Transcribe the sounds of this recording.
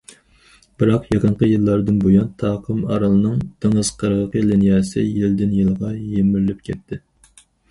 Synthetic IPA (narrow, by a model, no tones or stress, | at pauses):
b̥ɨɾɑqjeqəɴqʰəjɨlˠːɑɾd̪ɨnbojɑnt̪ʰɑːqʰəmɑ̰ɾɑlˠɨnɨŋt̪ʰeŋɨz̥qʰəɾʁəqəlɪnjɑːsɪ̰jild̪ɪnjɨlˠʁɑjemɪɾlɪp̚kʲʰɛt̪ʰːɪ